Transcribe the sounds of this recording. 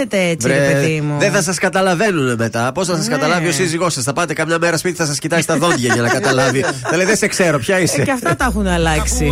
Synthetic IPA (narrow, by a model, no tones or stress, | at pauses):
et̪eet͡svɾieɾepeðimuðeθɐsɐskɐt̪ɐlɐve̞nuneme̞t̪ɐpo̞sθɐsɐskɐt̪ɐlɐvio̞siziɣo̞sɐsθɐpɐt̪e̞kɐmɲɐme̞ɾɐspit̪i̥θɐs̬ɐscit̪ɐsist̪ɐðo̞t̪ʝɐʝɐnɐkɐt̪ɐlɐviɐleiðesekse̞ɾo̞pçɐiseɐft̪ɐt̪ɐxunɐlɐksi